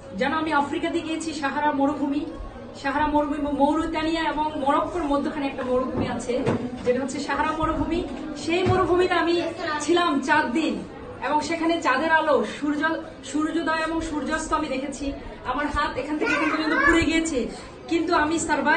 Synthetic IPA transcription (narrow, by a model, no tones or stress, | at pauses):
d͡ʑanoamiafɾikad̪ieɡijet͡ɕʰiʃaɦaɾaɾmoɽobʱumi | ʃaɦaɾamoɾoimowɾut̪anijaeboŋmɔɽokːoɾmod̪ʱːokʰaneɛk̚ʈamowɾobʱumiat͡ɕʰed͡ʑeʈaɦotːʰeʃaɦaɾamoɾobʱumi | ʃejmoɾobʱumiʈaamit͡ɕʰilamt͡ɕaɾd̪in | eboŋʃekʰanet͡ɕad̪eɾaloʃuɾd͡ʑɔl | ʃuɾd͡ʑod̪aeeboŋʃuɾd͡ʑɔst̪oamid̪ekʰet͡ɕʰi | amaɾɦat̪ekʰant̪ʰekekonp̪od͡ʑont̪opuɾeɡijet͡ɕʰe | kint̪uamisaɾba